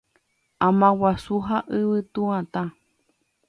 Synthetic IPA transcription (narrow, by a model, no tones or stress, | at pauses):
amãwasuɦaʔɨβɨt̪uãt̪a